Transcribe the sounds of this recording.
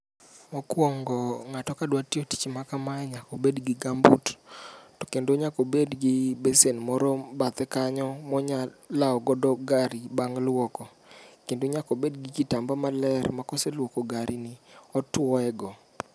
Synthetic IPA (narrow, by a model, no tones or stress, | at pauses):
ɔkwɔŋɡɔŋatɔkadwatioti̥t͡ʃmakamaɛɲakɔbedɡɪɡambṵttɔ̥kendoɲakobedɡɪbesenmɔɾɔbat̪ɛkaɲɔmɔɲalaɔɡɔdɔɡaɾibaŋlwɔkɔ | kendoɲakobedɡɪɡitambamalɛrmakɔselwokɔɡaɾinɪɔtwɔɛɡɔ